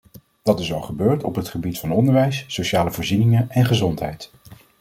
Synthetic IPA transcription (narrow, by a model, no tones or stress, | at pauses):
d̥ɑtɪsɑlˠχəbøːɹtɔ̰pɦətχəbitfɑnɔndəɹʋɛjsːowʃaːləvʊːɹzinɪŋəɛnχəzɔntɦɛ̰jt